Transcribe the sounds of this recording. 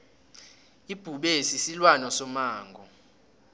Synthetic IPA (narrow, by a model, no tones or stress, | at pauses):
ib̥ʱuɓesisilwanɔsɔmaːŋɡʱɔ